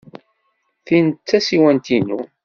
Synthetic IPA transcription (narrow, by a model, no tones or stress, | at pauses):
θint̪t͡sːæsiwænt̪inu